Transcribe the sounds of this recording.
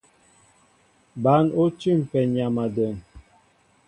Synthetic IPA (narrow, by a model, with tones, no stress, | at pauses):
ba˨˦no˦t͡ʃi˦˨m˨pɛ˨ɲa˨ma˨də˨n